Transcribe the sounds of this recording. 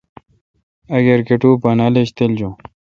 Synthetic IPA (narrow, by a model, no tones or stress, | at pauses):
ɐɡeɾkeʈuːpɐnaleɕt̪eld͡ʑõ